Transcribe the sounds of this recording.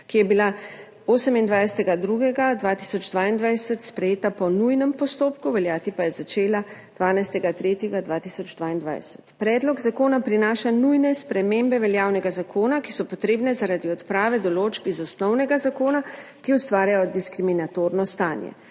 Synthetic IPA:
kijɛbila | oːsəmind̪ʋajsɛt̪ɛɡad̪ɾuɡɛɡad̪ʋaːt̪isɔd͡ʒd̪ʋaːind̪ʋajsət̪spɾɛjeːt̪apɔnujnɛmpɔst̪oːpkuʋɛljaːt̪ipajɛzat͡ʃeːlad̪̥ʋaːnajst̪ɛɡat̪ɾeːt̪jɛɡad̪ʋaːt̪iːsɔd͡ʒd̪vʋaːind̪ʋa̰jsə̥t̪pɾɛːd̪lɔɡzakoːnapɾinaːʃanujnɛspɾɛmembɛʋɛljaːwnɛɡazakʰoːnaki̥sɔpɔt̪ɾeːbnɛzaɾad̪iɔt̪pɾaːʋɛd̪ɔloːd͡ʒbizɔsnɔwnɛɡazakoːnakiust̪ʋaːɾjajɔd̪iskɾiminat̪oːɾnɔst̪aːnjɛ̰

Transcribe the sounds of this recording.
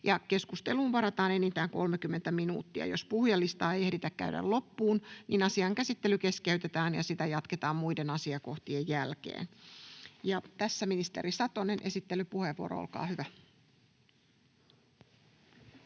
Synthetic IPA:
jɑke̞skust̪e̞luːnʋɑɾɑt̪ɑːne̞nint̪æːŋko̞lmekymːe̞nt̪æminṵːt̪ːiɑ̰jospuhjɑlːist̪ɑːejeɾit̪ækkːæ̰ydæ̰llo̞pːuːnninɑsiɑŋkæsit̪ːelyke̞ske̞yt̪e̞t̪æːnjɑ̰sit̪æjɑt̪ket̪ɑːmmuide̞nɑsiɑko̞ht̪iejːælkḛːn | jɑt̪æsːæminist̪e̞̰ɾisɑt̪onenʔe̞sit̪ːe̞lypuhe̞ʋːuoɾʔo̰olkɑ̰ːhyʋæ

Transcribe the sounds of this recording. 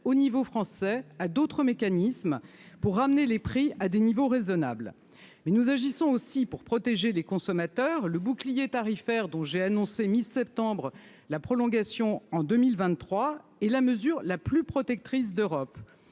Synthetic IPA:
onivofχɑ̃sɛad̪ot̪χəmekanism | puʁːamnelepχiad̪enivoʁezɔna̰bl | mɛnuzaʒisɔ̃osipuʁpχɔt̪eʒelekɔ̃sɔmat̪œːʁləbuklijet̪aʁifɛʁd̪ɔ̃ʒeanɔ̃semisɛp̚t̪ɑ̃bʁ | lapχɔlɔ̃ɡasjɔ̃ɑ̃d̪əmilvɛ̃t̪χwaɛlaməzyʁlaplypχɔt̪ɛk̚t̪χis̬d̪øʁɔp

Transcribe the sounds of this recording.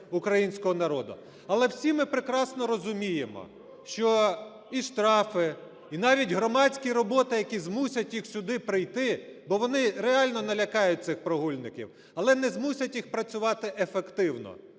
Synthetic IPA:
ʊkɾɐjinʲsʲkɔɦɔnɐɾɔd̪ʊ̰ | ɐlˠɛwsʲimɪpɾɪkɾɑsnɔɾɔzʊmʲijemɔ̰ | ʃt͡ʃɔ | iʃt̪ɾɑfɪ | inɑʋʲitʲɦɾɔmɑt͡sʲkʲiɾɔbɔt̪ɪjɐkʲizmusʲɐtʲjixsʲʊd̪ɪpɾɪjt̪ɪbɔʋɔnɪɾeɑlʲnɔnɐlʲɐkɑjʊt̚ʲt̪sɪxpɾɔɦulʲnɪkʲḭw | ɐlˠɛnɛzmusʲɐtʲjixpɾɐt͡sʲʊʋɑt̪ɪʔefekt̪ɪwnɔ̰

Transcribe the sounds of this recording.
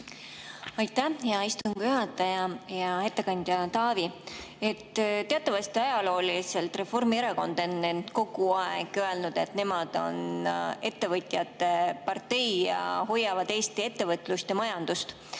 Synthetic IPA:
ɑjt̪ːæjɑist̪uŋɡ̥yɦɑt̪ːˑɑjɑjɑe̞t̪ːˑe̞kɑnʲd̪̥ʲjɑt̪ɑːvi | e̞t̪ːt̪eɑt̪ːˑɑvɑst̪iɑjɑlo̞ːlise̞lt̪re̞fo̞rmieɾeko̞nd̪̥enːend̪̥ko̞ɡ̥uɑeɡ̥øe̞lnud̪̥e̞t̪ne̞mɑd̪̥o̞̰ne̞t̪ːe̞vɤt̪ʲˑjɑt̪ːe̞pɑrt̪e̞jjɑ̰hojːɑvɑd̪̥e̞ːst̪ie̞t̪ːe̞vɤt̪lust̪jɑmɑjɑnd̪̥ust̪

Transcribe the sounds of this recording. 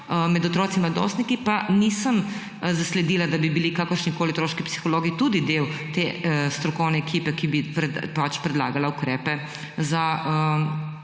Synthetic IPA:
əmɛd̪ɔt̪ɾoːt̪simlad̪o̰ːst̪nikipanisəm | zaslɛd̪iːlad̪abibilikakəɾʃnikoːliot̪ɾoːʃkipsi̥xɔloːɡit̪ud̪id̪ewt̪est̪ɾɔkɔwnɛːkiːpɛkibipɛpat͡ʃpɾɛd̪la̰ɡalaukɾɛːpɛ | zaə

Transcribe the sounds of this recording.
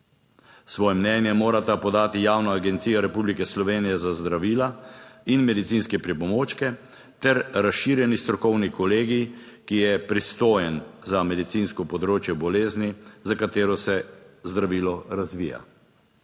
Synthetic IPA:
sʋɔːjɛmnɛnjɛmoːɾat̪apɔd̪aːt̪ijaːwnaːɡɛnt̪siːjɔɾɛpublikɛslɔʋeːnijɛzazd̪ɾaʋiːlainmɛd̪it̪siːnskɛpɾipɔmoːt͡ʃkɛ | t̪ɛɾɾasʃiːɾjɛnist̪ɾɔkɔwnikɔleːɡi | kijɛpɾist̪oːjɛnzamɛd̪it̪siːnskɔpɔd̪ɾoːt͡ʃjɛbɔleːznizakat̪eːɾɔsɛzd̪ɾaʋiːlɔɾazʋḭːja̰

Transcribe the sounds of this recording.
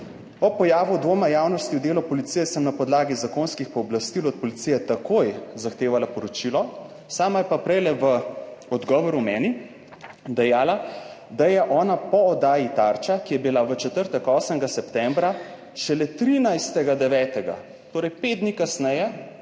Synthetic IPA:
ɔpɔjaːʋud̪ʋoːmajaːwnɔst̪iwd̪eːlɔpɔlit̪sijɛsəmnapɔd̪laːɡizakonskixpɔːblast̪ilɔt̪̚pɔlit̪sijɛt̪akojzaxt̪eːʋalapɔɾɔt͡ʃilɔ | saːmajɛpapɾɛjlɛʋəɔd̪ɡɔːʋɔɾumɛːni | d̪ɛjaːlad̪ajɛʔɔːnapɔɔd̪aːjit̪aɾt͡ʃakijɛbilaʋət͡ʃɛt̪əɾt̪ɛkɔːsəŋɡasɛpt̪ɛmbɾa | ʃɛlɛt̪ɾinajst̪ɛɡad̪ɛʋɛːt̪ɛɡa̰ | t̪oːɾɛjpet̪̚d̪nikasnɛjɛ

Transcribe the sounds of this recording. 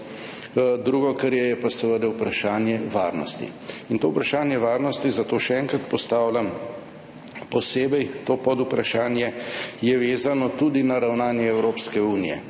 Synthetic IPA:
d̪ɾuːɡɔkəɾjɛjɛpasəʋəd̪aupɾaʃaːnjɛʋaɾnɔ̰st̪ḭint̪oːupɾaʃaːnjɛʋaːɾnɔst̪izat̪oːʃɛɛːŋkɾat̪pɔst̪aːwlʲam | pɔseːbɛjt̪oːpɔd̪upɾaʃaːnjɛjɛʋeːzanɔt̪ud̪inaɾawnaːnjɛɛwɾoːpskɛuːnijɛ̰

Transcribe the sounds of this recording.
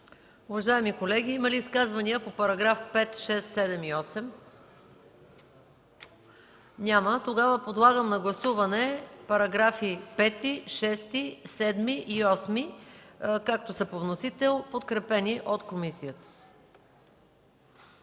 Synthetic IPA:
ʊvɐʒaɛmikolɛɡʲiimɐliːskazvɐniəpopɐɾɐɡɾafpɛt̪ʃɛsːɛd̪ɛmiɔsɛm | nʲamət̪oɡavəpod̪lˠaɡəmnɐɡlˠɐsuvɐnɛpɐɾɐɡɾafipɛt̪iʃɛst̪isɛd̪miʔiɔsmi | kak̚t̪osɐpovnosit̪ɛlˠpot̪kɾɛpɛniʔot̪komisijət̪ə̥

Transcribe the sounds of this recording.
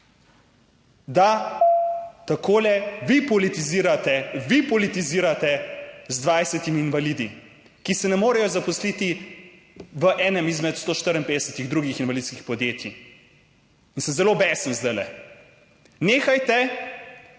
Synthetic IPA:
d̪a | t̪akʰoːlɛʋipɔlit̪iziːɾat̪ɛʋipɔlit̪iziːɾat̪ɛzd̪ʋajsɛt̪imiːnʋalid̪i | kisɛnɛmoːɾɛjɔzapɔslit̪i | ʋəʔɛːnəmizmɛt̪st̪oːʃt̪əɾənpeːd̪ɛsət̪iɣd̪ɾuɡixinʋalid̪skixpɔd̪jeːt̪ji | insəmzɛlobɛːsənzd̪ajlɛ̰ | neːxajt̪ɛ

